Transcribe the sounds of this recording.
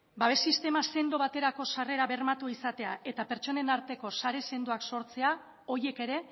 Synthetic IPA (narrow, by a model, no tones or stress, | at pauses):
baβe̞sist̪e̞mase̞nd̪oβat̪e̞ɾako̞sare̞ɾaβe̞rmat̪uisat̪e̞ae̞t̪ape̞ɾt͡ʃo̞ne̞naɾt̪e̞ko̞saɾe̞se̞nd̪oakso̞ɾt͡se̞a | o̞ɾje̞ke̞ɾe̞